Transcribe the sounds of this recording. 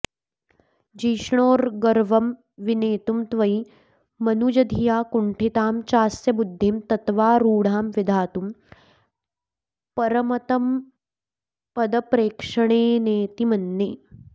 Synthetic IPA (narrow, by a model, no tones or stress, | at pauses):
d͡ʒiːʂɳ̃oːɾɡɐɾʋɐm | ʋineːt̪umt̪ʋɐj | mɐnuːd͡ʒɐd̪ʱijaːkuɳʈʰit̪aːmt͡ʃaːsjɐbud̪ʱːimt̪ɐt̪ʋaːɾuːɽ̤aːmʋid̪ʱaːt̪um | pɐɾɐmɐt̪ɐm | pɐd̪ɐpɾeːkʂɐɳ̃eːneːt̪imɐnːeː